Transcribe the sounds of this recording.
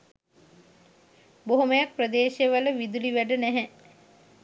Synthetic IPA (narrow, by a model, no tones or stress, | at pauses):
boɦoməjak̚prəd̪eːʃeʋələʋid̪uliʋæɖənæɦɛ